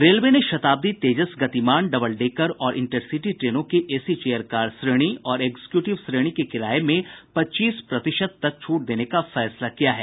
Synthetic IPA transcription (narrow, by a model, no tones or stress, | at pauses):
ɾeːlʋeneʃɐt̪aːb̚d̪it̪eːd͡ʒəsɡɐt̪imaːɳɖɐbəlɖeːkəɾɔːɾʔɪ̰̃ɳʈəɾsiʈiʈɾeːnõkeʔeːsit͡ʃeːjəɾkaːɾɖsɾeːɽ̃iɔːɾeːɡze̥kjuːʈɪʋsɾeːɽ̃ikekɪɾaːemẽpɐtːt͡ʃiːspɾɐt̪ɪʃəd̪̚t̪ɐk̚t͡ʃʰuːʈ̚d̪eːnekafɛːslakijaɦɛː